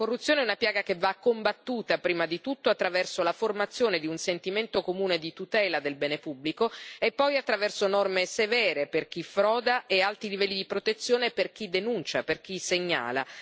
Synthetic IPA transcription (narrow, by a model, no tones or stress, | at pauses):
korːut̪sːjoːneɛunapjaːɡakevːakːombat̪ːuːt̪apɾiːmad̪it̪ut̪ːoat̪ːɾavɛrsolaformat̪sːjoːned̪iunsent̪iment̪okomuːned̪it̪ut̪ɛːlad̪elbɛːnepubːlikoepːɔjat̪ːɾavɛrsonɔrmesevɛːɾeperk̟ifɾɔːd̪aʔealt̪ilivɛlːid̪ipɾot̪et̪sːjoːneperk̟id̪enunt͡ʃaperk̟iseɲːa̰ːla̰